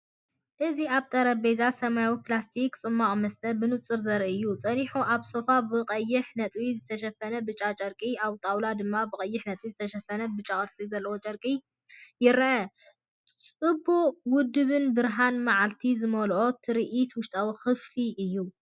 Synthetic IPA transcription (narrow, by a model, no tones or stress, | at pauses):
ʔɨziaβt̪ʼɐɾɐbezasɐmajawiplast̪ʰikt͡sʼɨmːaχʼmɐst̪ʼʰɐbɨnɨt͡sʼːɨɾzɐɾɨjːut͡sʼɐniħuʔaβso̞fabɨqʼɐjːɪħnɐt̪ʼwizɨt̪ʰɐʃɐfɐnɐbɨt͡ʃʼat͡ʃʼɐɾkʼiaβt̪ʼawlad̪ɨmːabɨkʼɐjːɪħnɐt̪ʼwizɨt̪ʰɐʃɐfɐnɐbɨt͡ʃʼakʼɨɾsʼizɐlːɐwot͡ʃʼɐɾkʼi | jɪɾʔɐ | t͡sʼɨbuwʊd̪ːɨβɨnbɨɾɦanmaʕalt̪ʰizɨmɐlʔo̞t̪ʰɨɾiʔit̪wʊʃt̪ʼawixɨfliʔɨjːu